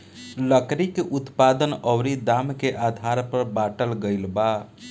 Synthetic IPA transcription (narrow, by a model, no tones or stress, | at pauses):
ləkɾikʔut̪pad̪ənəʊɾid̪amkeʔad̪ʱaɾpəɾbaʈəlɡəjlba